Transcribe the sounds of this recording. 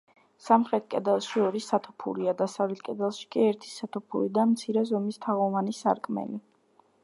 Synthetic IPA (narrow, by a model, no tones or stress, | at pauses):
samχɾɛt̪̚ʰkʼɛd̪ɛlˠʃiɔɾisat̪ʰu̥pʰṵɾiad̪asavlɛt̪̚ʰkʼɛd̪ɛlˠʃi̥kʼiɛɾt̪ʰi̥sat̪ʰupʰṵɾid̪amt̪sʰiɾɛzɔmist̪ʰaʁɔvanisa̰ɾkʼmɛ̰li